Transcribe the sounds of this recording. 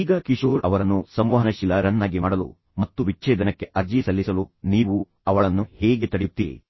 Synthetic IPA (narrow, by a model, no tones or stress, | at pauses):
iːɡɐkiʃoːɾʔɐʋɐɾɐnːusɐmʋaːɦɐnɐʃilɐɾɐnːaːɡimaːɽɐlṵ | mɐt̪ːuʋit͡ʃːt͡ʃeːd̪ɐnɐkːe̞ʔɐɾd͡ʒisɐlːisɐluniːʋu | ɐʋɐɭɐnːuheːɡe̞t̪ɐɽejut̪ːiɾḭ